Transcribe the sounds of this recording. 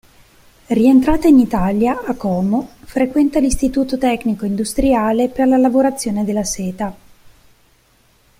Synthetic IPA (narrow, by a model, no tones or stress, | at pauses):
rient̪ɾaːt̪ainit̪aljaakːɔːmofɾekwɛnt̪alist̪it̪uːt̪ot̪ɛkːnikoind̪ust̪ɾiaːleperlalavoɾat̪sːjoːned̪elːasɛːt̪a